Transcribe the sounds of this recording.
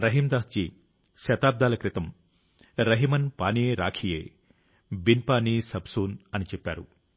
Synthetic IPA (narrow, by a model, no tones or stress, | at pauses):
ɾɐɦimd̪aːst͡ʃi | ʃɐt̪aːb̚d̪aːlɐkɾit̪ɐm | ɾɐɦimɐnpa̰ːnieːɾa̰ːkʰijḛː | binpaːnisɐbsuːnɐnit͡ʃɛpːa̰ːɾṵ